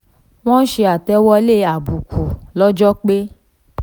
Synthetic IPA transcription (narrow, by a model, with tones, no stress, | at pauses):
w̃ɔ̃˦n̩˦ʃe˧a˨tɛ˧wɔ˧le˦˨a˨bu˨ku˨lɔ˦d͡ʒɔ˦k͡pe˦